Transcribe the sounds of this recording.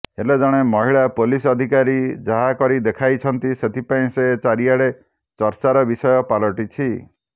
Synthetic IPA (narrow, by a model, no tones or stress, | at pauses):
eled͡ʒɔɽ̃emɔɦiɭapolisɔd̪ʱikaɾid͡ʒaɦakɔɾid̪ekʰajt͡ʃʰɔnt̪iset̪ʰipaĩset͡ʃaɾiaɽe | t͡ʃɔɾt͡ʃaɾɔbisɔjɔpalɔʈit͡ʃʰi